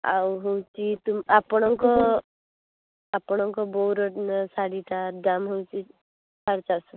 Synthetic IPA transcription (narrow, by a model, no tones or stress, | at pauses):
a̰wɦowt͡ʃit̪umapɔɽ̃ɔŋkɔ | apɔɽ̃ɔŋkɔbɔuɾɔʈnsaɽiʈad͡ʒamɦowt͡ʃi | sʰaɾt͡ʃasɔ